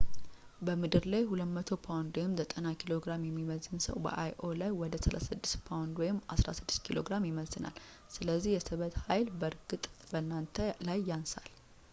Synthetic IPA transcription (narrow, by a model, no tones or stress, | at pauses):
bəmɨd̪ɨɾlajhulət̪mət̪ʰo̞pʰawnd̪wɔjɪmzət̪ʼənakʰilo̞ɡɾamjɛmːiməzɨnsə̰wbə̰ʔajʔo̞lajwɔd̪əsəlʔa̰sɨd̪ːɨ̥st̪pʰawnd̪wɔjɪmːasɾa̰sɨd̪ːɨ̥st̪kʰilo̞̰ɡɾamjɪməzɨna̰l | sɨləzːihjɛsɨβət̪hajlbəɾɡɨt̪ʼbənːant̪ʰəlajːansal